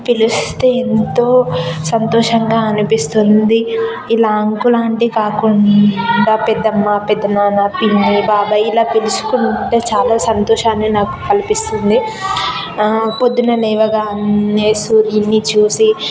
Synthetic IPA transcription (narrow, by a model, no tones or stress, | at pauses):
pilust̪eːent̪o̞ːsɐnt̪ɔːʂɐŋɡaːɐnipist̪und̪i | ilaːŋkulaːɳʈikaːkuɳɖaːpɛd̪ːɐmːaːpɛd̪ːɐnaːnapinːibaːbɐjilaːpilusu̥kuɳʈe̞ːt͡ʃaːlaːsɐnt̪ɔːʃaːneːnaːku̥kɐlipist̪und̪i | pod̪ːunɐlɛːʋɐɡaːnːeːsuːɾinːit͡ʃuːsi